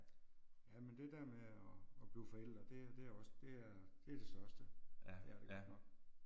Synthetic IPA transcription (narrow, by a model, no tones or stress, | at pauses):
jæmend̥e̝d̥æɐmeɒ̽ːb̥liːfɒ̽el̰d̥ʁɐd̥e̝æd̥e̝æɒ̽sd̥e̝æɐd̥e̝æɐd̥e̝sɶɐsd̥ə | eɡɒ̥mɑ̈